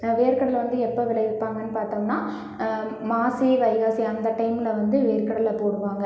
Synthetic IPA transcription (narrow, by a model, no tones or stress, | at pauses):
ʋeːɾkɐɽɐlʋɐnd̪ɯɛpːɐʋɪlɐjɪpːaːŋɡɐnːɯpaːɾt̪oːŋnaː | maːsiʋɐɪɣaːsiɐnd̪ɐʈɐɪmɪlɐʋɐnd̪ɯʋeːɾkɐɽɐlɐpoːɽɯʋaːŋɡɐ